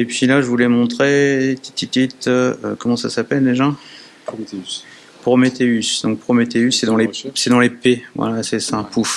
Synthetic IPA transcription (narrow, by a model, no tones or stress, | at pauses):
epɥilaʒəvulɛmɔ̃t̪χet̪i̥t̪it̪it̪ø̰kɔmɑ̃sasapɛld̪eʒa | pʁomet̪eysd̪ɔ̃ŋk̚pʁomet̪eysːɛd̪ɑ̃lesɛd̪ɑ̃lepevwa̰lasɛsãpuf